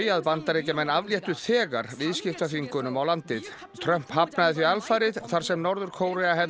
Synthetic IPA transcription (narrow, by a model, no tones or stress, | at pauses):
jaðpant̪aɾejcamɛnːavljɛht̪ʏθɛːɣaɾ̥vɪðscɪft̪vafiŋkʏnʏmawlant̪ɪð | t̪ʰɾœm̥phapnaðɪθvialfaɾɪðθaɾ̥sɛmnɔɾðʏɾ̥kʰoːwɾɛaɦɛ